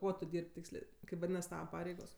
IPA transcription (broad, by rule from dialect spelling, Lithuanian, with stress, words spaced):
ˈkuɔ tʊ ˈdʲiːrʲpʲ ˈtʲiːksʲlʲeː ˈkɐɪp ʋɐˈdʲiːnɐs ˈtɑːʋɐ ˈpɑːrʲɛɪɡoːs